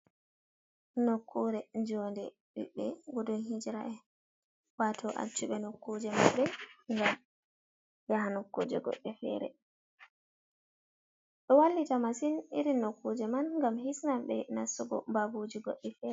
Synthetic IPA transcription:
nokːuɾɛd͡ʒɔndɛ | ɓḭɓːɛɡɔdɔnɦid͡ʒiɾa̰ʔɛ | watʰɔʔa̰t͡ʃːuɓɛnokːud͡ʒɛmanbɛŋɡam | jaɦanokːṵd͡ʒɛ̰ɡɔ̰ɗːɛfɛ̰ɾɛ̰ | ɗɔwalːitamasiniɾinːokːud͡ʒɛmanŋɡamhisnambɛnasuɡɔmbabud͡ʒiɡɔ̰ɗːɛfɛːɾɛ

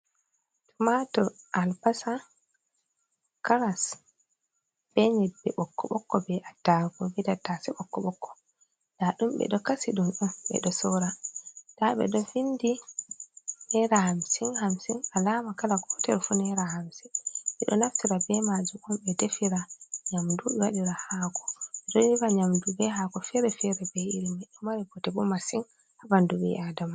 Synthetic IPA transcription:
tumatɔʔalbasa | kaɾas | b̥ɛɲɛbɛɓɔkːɔɓɔkːɔbɛʔadaɡɔwidatːasɛɓɔkːɔɓɔkʰːɔ̥ | naɗumɓɛ̰ɗɔkasiɗunɗumɓɛ̰ɗɔsɔɾataɓɛ̰ɗɔfindi | nɛɾahamsinhamsinalaːmakalaɡɔtɛ̰ɾfunɛɾahamsiɓɛɗɔ̰naftiɾabɛmad͡ʒumumɓɛdefiɾaɲamduɓɛwaɗiɾahaːɡɔ̥ɛɗɔiɾaɲamdubɛhaːkɔfɛɾɛfɛɾɛbɛiɾimaɗɔmaɾiɡɔtɛbɔmasiŋ | habandubɛ̰ʔadama

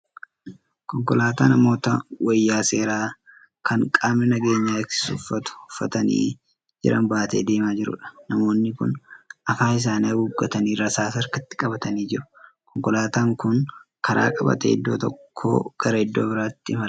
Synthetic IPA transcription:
kɔŋkɔlaːt̪a̰ːnɐmo̞ːt̪ɐwɐjːaːse̞ːɾaː | kɐŋkʼaːmnɪnɐɡe̞ːɲːaːɪksɪ̥sʊ̰fːɐt̪ʊ̥hʊfːɐt̪ɐnḭː | d͡ʒɪ̰ɾɐ̰nbaːt̪ḛːd̪e̞ːmaːd͡ʒɪɾʊ̰ᶑɐ̥nɐmo̞ːnːɪkʊnɐfaːɪs̬aːnɐuːɡːɐt̪ɐniːrːɐsaːsɐɾkɐt̪ːɪ̥kʼɐbɐt̪ɐniːd͡ʒɪɾʊ̥kɔŋkɔlaːt̪aːŋkʊnkɐɾʔa̰ːkʼɐbɐ̰t̪ɛ̰ɪ̰d̪ːo̞ːt̪ɔkʰːo̰ːɡ̥ɐɾɐɪd̪ːoːbɪɾaːt̪ːɪmɐl

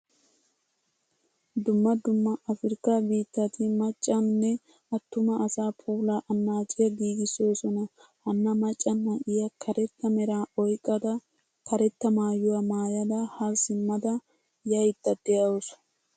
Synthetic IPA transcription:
d̪ʊmːɐd̪ʊmːɐʔɐfɪɾɪkːabiːt̪ːɐt̪ɪmɐt͡ʃʼːɐnːɛ | ʔɐt̪ːʊmɐʔːsaːpʰuːlaʔɐnːaːt͡ʃʼɪjɐɡiːɡɪso̞ːsɔnɐ | hɐnːɐmɐt͡ʃʼːɐnːɐʔɪjɐkʰɐɾɛt̪ːɐmɛɾaːɔjkʼːɐd̪ɐ | kɐɾɛt̪ːɐmaːjʊwɐmaːjɐd̪ɐhɐɾsɪmːɐd̪ɐ | jɐjt̪ːɐd̪ɛjɐwɔs

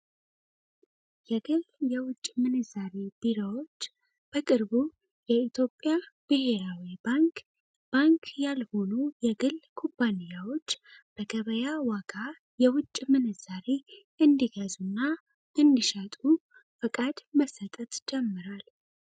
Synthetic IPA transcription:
jɛɡɨljɛwʊt͡ʃʼːmɨnɨzaɾeb̥iɾawo̞t͡ʃː | b̥əkʼɨɾbu | jɛit̪ʰjo̞pʼjab̥ɨɦe̞ɾawibaŋk | b̥aŋkʰjalho̞nujɛɡɨlkʰompʰːanijawo̞t͡ʃːb̥əɡəβəjawaɡa | jɛwʊt͡ʃʼːmɨnɨzaɾe | ɨnd̪iɡəzunːa | ɨnd̪iʃat̪ʼu | fəkʼad̪məsːət̪ʼət̪d͡ʒɛmːɨɾal

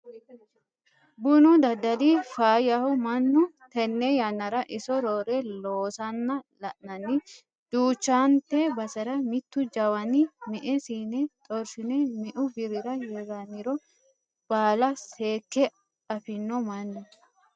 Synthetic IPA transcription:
bʊnʊd̪ɐd̪ɐlifaːjɐhʊmɐnːʊt̪ɛnːɛjɐnːɐɾɐʔɪsɔɾoːɾɛloːsɐnːɐlɐʔnɐnːɪ | d̪̥uːt͡ʃːaːnt̪ebɐsɐɾɐmɪt̪ːʊd͡ʒɐwɐnɪmɛʔɛsiːnɛt̪ʼɔɾsɪnɛmɛʔʊbɪɾɪɾɐjeɡɐnːɪɾɔ | b̥aːlɐseːkːɛ | ɐfɪnːɔmɐnːʊ

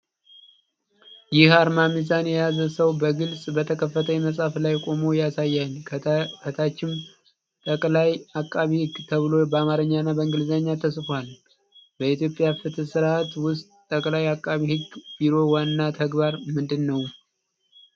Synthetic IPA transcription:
jɪhaɾmamizanjɛjazəsəwbəɡɨlsʼbət̪ʰəkʰəfːət̪ʰəɲməsʼaflajkʷʼo̞mojasajːalkʰət̪ʰat͡ʃːɪm | t̪ʼəkʼlajakʼːaβihɨɡt̪ʰəβɨlo̞bəamaɾəɲːanːabəɨŋɡɨlzaɲːat̪ʰəsfal | bəit̪jo̞pʼːjafɨt̪ʰɨsɨɾat̪wʊst̪ʼːəkʼlajakʼːaβihɨɡb̥iɾo̞wanːat̪ʰəɡbaɾmɨnd̪ɨnːəw

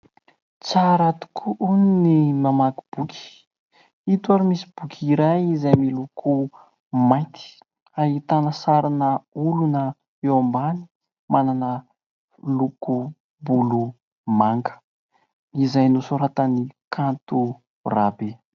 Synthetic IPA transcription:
t͡saɾat̪u̥kʰuʔuninimamaku̥b̥ukʰʲi̥ | it̪uaɾimisi̥b̥ukʰʲiɾajizajmilukʰu | majt̪i̥ | aɦit̪anəsaɾinəulunə | ewambani̥ | mananə | luku | bulu | maŋɡə̥ | izajnusoɾat̪anikʰant̪u | rabe

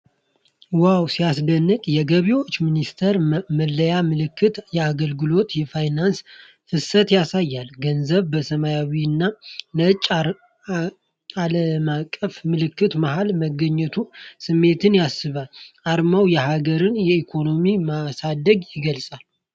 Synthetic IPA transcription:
wawsijasd̪ənːɨkʼjɛɡəβiwo̞t͡ʃːminist̪ʰəɾməlːəjamɨlɨkʰːɨt̪jɛaɡəlɡɨlo̞t̪jɛfajnans | hɨsət̪jasajːalɡənzəβbəsəmajawiɨnːanət͡ʃʼ | aləmakʼːəfmɨlɨkːɨt̪maɦalməɡəɲːɛt̪ʰusɨmːe̞t̪ɨnjasːɨβalaɾmawjɛhaɡəɾɨnjɛikʰo̞no̞mimasad̪əɡjɪɡəlsʼal

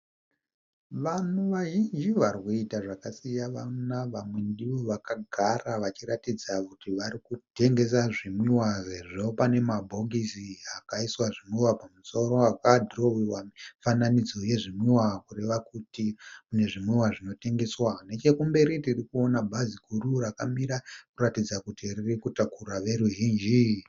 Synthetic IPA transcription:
ʋanuʋaɦind͡ʒiʋarwuitaʐakasijaʋanaʋamwe̞ndiʋoʋakaɡʱaraʋat͡ʃiɾatid͡zakutiʋaɾikute̞ŋɡe̞s̬aʐimwiwaʐeʐo̞pane̞mabʱo̞ɡisiakaiswaʐimwiwapamuso̞ɾo̞akadʱrowiwafananid͡zo̞je̞ʐimiwakure̞ʋakutikune̞ʐimwiwaʐino̞te̞ŋɡe̞swane̞t͡ʃe̞kumbe̞ɾitirikuo̞nabʱazikururakamiɾakuratid͡zakutiririkutakuraʋe̞ɾuɦiːnd͡ʒi

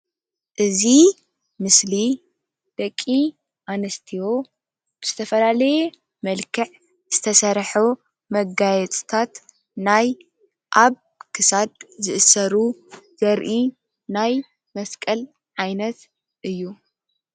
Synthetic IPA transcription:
ʔɨzi | mɨsli | d̪̥ɐkʼːi | ʔanɐst̪ʰiwo̞ | b̥ɨz̥ɨt̪ʰɐfɐlalɐje | mɐlkʰɨʕ | z̥ɨt̪ʰɐsɐɾħu | mɐɡajɛt͡sʼt̪ʰat̪ | naj | ʔaβ | kʰɨsad̪̚zɨʔɨsɐɾuzɐɾʔi | naj | mɐskʼɐl | ʕajnɐt̪ | ʔɨjːu

